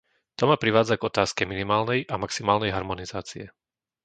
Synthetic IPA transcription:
t̪ɔmapɾiʋaːd͡zaɡɔt̪aːskɛminimaːlnɛjʔamaksimaːlnɛjɦaɾmɔnizaːt͡siɛ

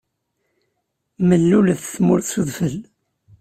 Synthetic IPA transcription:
məlːulðθmʊɾθsuðˤfəl

